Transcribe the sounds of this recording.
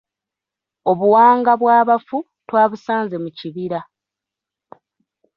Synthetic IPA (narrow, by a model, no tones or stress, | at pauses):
o̞βuwaːŋɡaβwaːβafu | twaːβusaːnze̞muciβiɾa